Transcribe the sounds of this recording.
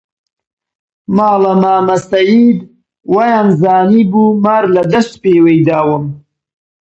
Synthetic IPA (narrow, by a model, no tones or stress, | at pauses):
maːlamaːmasajid̪ | wajanzaːnibumaːɾlad̪ɐst̪peːwejd̪aːwəm